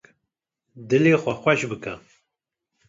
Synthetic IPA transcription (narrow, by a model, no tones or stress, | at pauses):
d̪ɨleːxʷɐxʷɛʃbɨkɐ